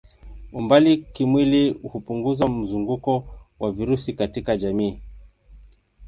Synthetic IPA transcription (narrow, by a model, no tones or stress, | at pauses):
umbalikimwilihupuŋɡuzam̩zuŋɡukɔwaviɾusikatikaʄamiː